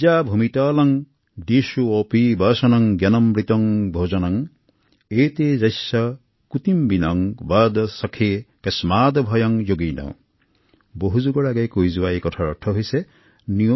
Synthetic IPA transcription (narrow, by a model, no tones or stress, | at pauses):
d͡ʒabʱumit̪aːlɔŋ | ɖisuopibɐsɔnɔŋɡjɐnɔmbɾit̪ɔŋbʱod͡ʒɔnɔŋ | et̪ed͡ʒɐjsɔ | kut̪imbinɔŋbɐd̪ɔsɔkʰekesmaːd̪ɔbʱɔjɔŋd͡ʒoɡinɔ̰ | boɦud͡ʒuɡɔɽaɡajkujzuajkɔt̪ʰaɾɔʈʰɔɦijse | ni